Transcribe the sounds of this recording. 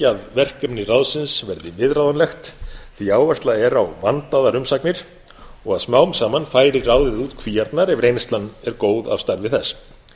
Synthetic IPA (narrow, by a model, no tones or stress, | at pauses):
aðvɛr̥kœpnɪrawðsɪnsvɛɾðɪvɪðɾawðanlɛxt̪θiaːwvɛslaɛɾawvant̪aðaɾʏmsaknɪɾ̥ | ɔɣaðsmaːwmsaːmanfaːjɾɪɾraːwðɪðuːt̪kʰviːjaɾt̪naɾɛvɾejnst̪lanːɛɾkoːwða̰v̥st̪aɾvɪθɛs